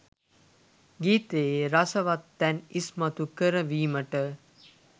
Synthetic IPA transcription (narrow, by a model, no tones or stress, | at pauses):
ɡiːt̪eːɾɐsɐʋɐt̪ːɛnismɐt̪ukəɾəʋiːməʈə